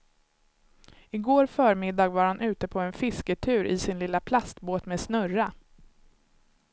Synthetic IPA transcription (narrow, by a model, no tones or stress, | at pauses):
ɪɡoːɾfœːɾmɪd̪ɑːɡvaɾhanʔʉ̟ːt̪əpʰɔɛnfɪskəʈʰʉ̟ːɾʔɪsɪnlɪlːapʰlast̪boːt̪meːd̪snœra